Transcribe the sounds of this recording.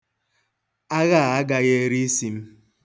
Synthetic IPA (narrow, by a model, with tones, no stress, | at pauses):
a˦ɣa˦˨a˦ɡa˦ɣe˦e˦ɾi˦si˨m̩˦